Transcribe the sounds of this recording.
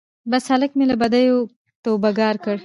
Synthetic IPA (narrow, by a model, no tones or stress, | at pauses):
bashaləkmelabad̪ajo | t̪obaɡɑːɾkəɽ